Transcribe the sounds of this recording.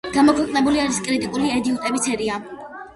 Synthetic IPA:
ɡ̥amɔkʰwɛqʼnɛbuliaɾiskʼɾit̪ʼikʼuliɛd̪iut̪ʼɛbit̪sʰɛɾia

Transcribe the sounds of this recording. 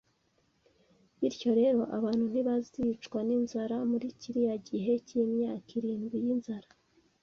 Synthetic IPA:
βiɾco̞ɾe̞ɾo̞ʔaβaːnhun̥iβazit͡ʃkwaninzaɾamuɾiciɾijaɟiɦe̞cijimɲaːkiɾiːnɡijinzaɾa

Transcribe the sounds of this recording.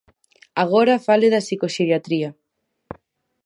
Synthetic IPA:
aɣ̞oɾafaleðasikosiðjat̪ɾia

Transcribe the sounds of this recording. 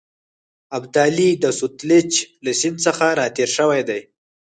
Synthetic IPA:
abd̪alid̪əsʊt̪lɪt͡ʃlasɪnsəxaɾɑt̪eɾʃəwajd̪aj

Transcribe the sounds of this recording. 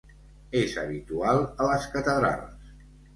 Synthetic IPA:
ezə̰βit̪ualˠələskət̪əðɾa̰lˠs

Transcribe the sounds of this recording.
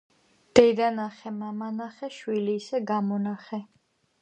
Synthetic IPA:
d̪̥ɛd̪anaχɛmamanaχɛʃwiliːsɛɡamɔnaχɛ

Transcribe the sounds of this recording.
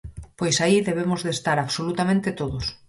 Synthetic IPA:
pojsaiðeβemʊzðest̪aɾaβsolut̪amẽnt̪ɪt̪oðʊs

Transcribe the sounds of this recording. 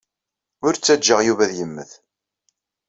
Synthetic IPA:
ʊɾt͡sːæd͡ʒːəʁjuvæðjəmːə̰θ

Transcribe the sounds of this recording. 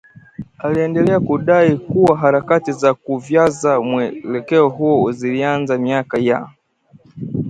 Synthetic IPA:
aliɛndɛlɛakuɗaikuwaɦaɾakatizakuvjazamwɛlɛkɛɔɦuɔzilianzamiakaja̰

